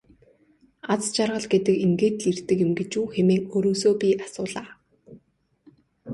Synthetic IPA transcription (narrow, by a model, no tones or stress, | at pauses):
at͡st͡ɕarʁə̆ɮɡet̪ɘ̆kiŋɡeːt̪ɮir̥t̪ɘ̆kjɪ̆mɡet͡ɕuːxemeːŋoɾoːsoːpʲiʔasʊːɮaː